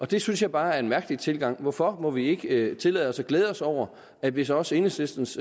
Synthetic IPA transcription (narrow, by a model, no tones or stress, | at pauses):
ɒ̽d̥e̝synsjɑ̈ɪb̥ɑ̈ːæɐe̝nmæɐɡ̥əlit͡sʰe̝lɡ̥ɑ̈ŋ̰ʋɒfɒ̽mɒ̽ʋie̝ɡ̥ət͡sʰe̝lɛːð̩ˠɒ̽sɒ̽ɡ̥leːð̞ˠɒ̽sɒʊ̰ɐ | ædʋesɒ̽se̝nəslesd̥n̩s